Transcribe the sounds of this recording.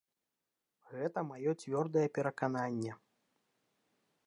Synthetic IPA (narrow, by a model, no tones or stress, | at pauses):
ɣɛt̪ɐmajɔt͡sʲvʲɔrd̪ɐjɛpʲɛɾɐkananʲːɛ